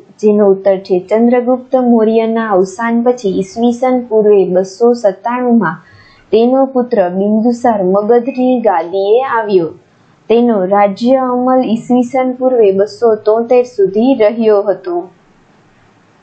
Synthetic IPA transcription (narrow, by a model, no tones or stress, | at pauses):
d͡ʒenout̪ːəɾt͡ʃʰet͡ʃənd̪ɾəɡup̚t̪əmoɾijənaəʋsanpət͡ʃʰiːsʋisənpuɾʋeɓəsosət̪aɽ̃ũmã | t̪enopʊt̪ɾəɓind̪usaɾməɡəd̪ʱɾiɡad̪ieaʋjo | t̪enoɾad͡ʒjəəməlisʋisənpuɾʋebəsot̪ɔ̃t̪eɾsud̪ʱiɾəɦjoɦət̪o